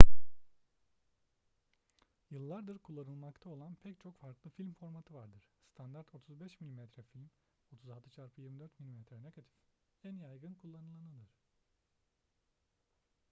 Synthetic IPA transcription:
jɯlˠːaɾd̪ɯɾkʰulˠːanɯlˠmakt̪ʰao̞lˠanpʰɛct͡ʃʰo̞kfaɾklˠɯfilʲmfo̞ɾmat̪ʰɯvaɾd̪ɯɾ̥st̪ʰand̪aɾt̪ʰo̞t̪ʰuzbɛʃmilʲimɛt̪ɾɛfilʲm | o̞t̪ʰuzalˠt̪ʰɯt͡ʃʰaɾpʰɯjiɾmid̪øɾt̪milʲimɛt̪ɾɛneɡat̪ʰi̥f | ænjajɡɯnkʰulˠːanɯlˠanɯnɯɾ̥

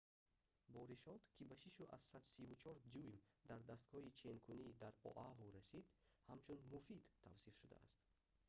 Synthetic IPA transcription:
bɔɾiʃɔd̪kʰibaʃiʃuʔa̰zsad̪sivut͡ʃʰɔɾd͡ʒujmd̪aɾd̪ast̪̚kʰɔit͡ʃʰenkʰunid̪aɾɔ̰ʔaɦuɾasid̪hamt͡ʃʰunmufid̪ʰa̰vsifʃud̪a̰a̰st̪

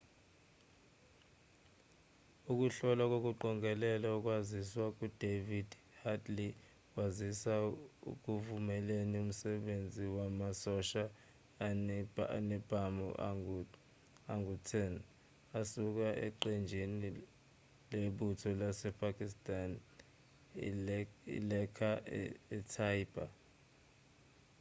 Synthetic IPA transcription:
uk̬ʼuɬɔlak̬ok̬uǃɔŋʱɛlɛlauk̬ʼwaziswak̬ud̥ʱevid | hadli | kwazisaṵk̬uvumɛlenium̩sɛɓend͡zʱiwamasɔʃa | nɛb̥ʱamɔ̰ʔ | aŋutʰɛn | asuk̬aʔɛ̰ǃɛnd͡ʒʱini | leɓutʰɔlasɛpʰakʼistʼan | ḭlɛkʰaɛtʰaib̥a̰

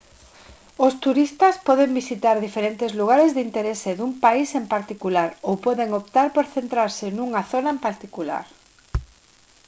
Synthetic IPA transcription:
ost̪uɾist̪aspɔðembisit̪aɾðifeɾent̪ɪzluɣ̞aɾezðint̪eɾeseðumpaisempaɾt̪ikulaɾowpɔðeŋopt̪aɾpoɾθent̪ɾaɾsɪnuŋaθonaempaɾt̪ikula̰ɾ

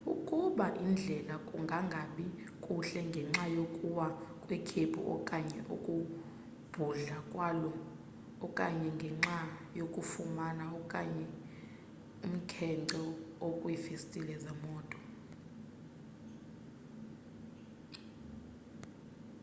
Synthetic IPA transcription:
ukʼuɓaʔind͡ɮʱɛlakʼuŋɡʱaŋɡʱaɓi | kʼuɬɛŋɡʱɛŋ͡ǁajokʼuwakʼwɛkʰepʰṵʔɔ̰kʼaɲɛʔṵkʼu | b̥ʱuɮakʼwalɔː | kʼaɲɛŋɡʱɛŋ͡ǁajokʼufumanaɔkʼaɲɛ | um̩kʰɛǀɔokʼwifistʼilɛzamɔːtʼɔ̥

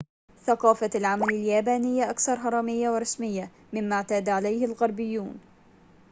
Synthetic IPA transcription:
θɑqɑːfalʕamalaljaːbaːnɪjːʔakθɑɾˤɦɑɾˤɑːmɪjːawɪɾˤɑsmɪjːa | mɪmːaʕt̪aːd̪ʕalajhɪlɣɑɾˤbɪjːuːn

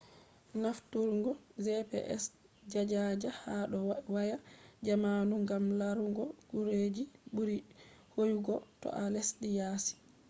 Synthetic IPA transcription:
naftuɾŋɡɔzɛpɛ̰ʔɛ̰s | d͡ʒad͡ʒad͡ʒahaɗɔwajad͡ʒamaːnuŋɡamlaɾuŋɡɔɡuɾed͡ʒiɓuɾihojuɡɔtɔ̰ʔalesɗijaːsi̥

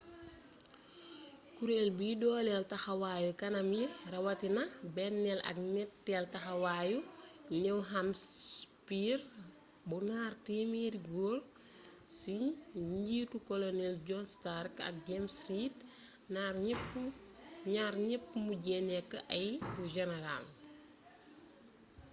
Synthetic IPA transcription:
kuɾelbujidɔːlɛltɐxɐwaːjukɐnɐmjirɐwɐtinɐbɛnːɛlɐ̰k̚nɛtːɛltɐxɐwaːjunɛwɦamspir | bunaːrtimiɾiɡol | siɲɟiːtukɔlonɛld͡ʒɔnstarkɐ̰k̚ɡɛmsɾiːt | narpː | ɲaːɾɲɛpːmuɟɛnɛkːəʔɐjpuʒɛnɛɾa̰l

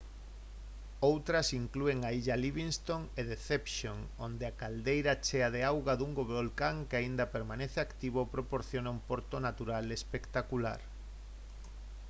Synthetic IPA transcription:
owt̪ɾɐsiŋklueŋaiʎaliβiŋst̪oŋeðeθepʃoŋond̪eakald̪ejɾat͡ʃeaðeawɣaðuŋɡoβolkaŋkeaind̪ɐpeɾmaneθeakt̪iβ̞opɾopoɾθjonaumpoɾt̪onat̪uɾalespekt̪akula̰ɾ

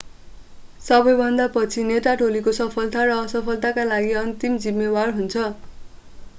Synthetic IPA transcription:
sʌbʌjbʱʌnd̪apʌt͡sʰineʈaʈolikosʌpʰʌlt̪aɾʌːsʌpʰʌlt̪akalaɡiʌnt̪imd͡zimːebarɦunt͡sʰʌ

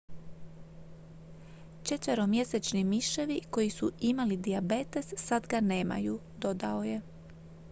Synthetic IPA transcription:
t͡ʃe̞t̪ʋe̞ɾo̞mje̞set͡ʃnimiʃe̞ʋiko̞jisuimalid̪iabe̞t̪e̞sːad̪ɡane̞ːma̰ju | d̪o̞d̪ao̞je̞

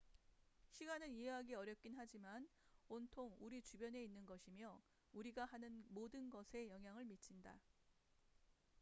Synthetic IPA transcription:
ɕʰiɡanɯniɦe̞ɦaɡiʌɾjʌp̚k͈inɦad͡ʑimanontʰoŋuɾit͡ɕubjʌne̞inːɯnɡʌɕʰimjʌ | uɾiɡahanɯnmodɯnɡʌsʰe̞jʌŋɦjaŋɯɭmit͡ɕʰinda̰

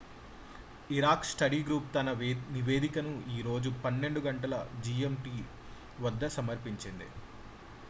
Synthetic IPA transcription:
iɾaːksʈɐɽiːɡɾuːp̚t̪ɐnɐniʋeːd̪ikɐnuiːɾo̞ːd͡ʒupɐnːe̞ɳɖuɡɐɳʈɐlɐd͡ʒiemʈiː | ʋɐd̪ːɐsɐmɐɾpiɲt͡ʃind̪ḭ

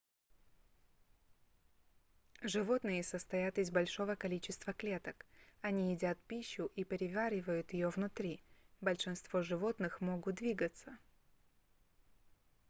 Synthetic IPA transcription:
ʐɨvo̞t̪nɨjəsəst̪ɐjat̪ɪzbɐlʲʂo̞vəkɐlʲit͡ɕɪst̪vəklʲe̞t̪əkɐnʲiɪdʲat̪̚pʲiɕːʊʔipʲɪɾʲɪvʲaɾʲɪvəjʊt̪jɪjovnʊt̪ɾʲibəlʲʂɨnst̪v̥o̞ʐɨvo̞t̪nɨxmoɡʊt̪̚d̪vʲiɡət̪sə

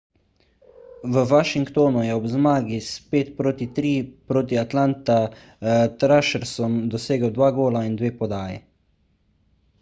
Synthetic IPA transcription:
ʋəʋaʃiŋkt̪oːnujɛɔbzmaːɡispeːt̪pɾoːt̪it̪ɾiːpɾoːt̪̬iat̪lant̪a | t̪ɾaʃɛɾsɔmd̪ɔseːɡəwd̪ʋaːɡoːlaind̪ʋeːpɔd̪aːjɛ

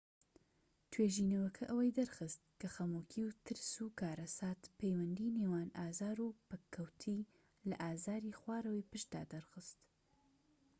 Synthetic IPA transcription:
t̪ʰweːʒiːnɐwɐkʰɐʔɐwɐjd̪ɐɾxɨst̪̚kʰɐxɐmuːkʰiwt̪ʰɨɾsukʰaːɾɐsaːt̪pejwɐnd̪iːneːwaːnaːzaːɾuːpɐkʰːɐwt̪ʰiː | lɐ̰ʔaːzaːɾiːxwaːɾɐweːpɨʃt̪̚d̪a̰ːd̪ɐɾxɨst̪

